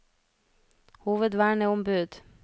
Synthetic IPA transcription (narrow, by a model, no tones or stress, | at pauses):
huːʋəd̪ʋæːɳəɔmbʉːd̪̥